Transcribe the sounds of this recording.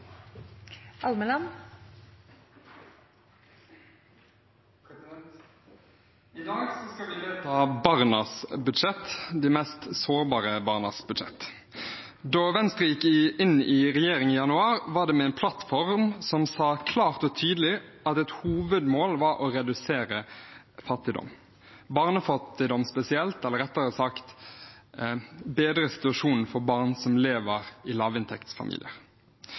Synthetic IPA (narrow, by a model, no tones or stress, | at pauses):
ɑlməlɑm | t̪ɑbɑʁnɑsbʉd̪ʃɛt̪d̪iːmɛst̪soːɾbɑːʁəbɑːʁnɑsbʉd̪ʃɛ̰t̪ | d̪oːʋɛnst̪ʁəjɪkɪʔɪnːɪʁɛjeːɾɪŋiːjɑnʉɑːʁʋɑːʁd̪ɛmɛɛːnpʰlɑt̪fɔʁmsɔmsɑːkʰlɑːʁt̪ɔt̪ʰyːd̪əlɪ | ɑt̪ɛt̪huːʋəd̪moːlʋɑɾʔɔɾɛd̪ʉseːɾə | fɑt̪ːɪd̪ɔ̰m | bɑːʁnəfɑt̪ːɪd̪ɔmspɛsɪɛlt̪ɛlːəɾɛt̪ːəɾəsɑkt̪ | beːd̪ɾəsɪ̥t̪ʉɑʃuːnn̩fɔbɑːʁnsɔmleːʋəʁɪlɑːʋɪnt̪ʰɛkt̪sfɑ̰mḭlɪ̰əʁ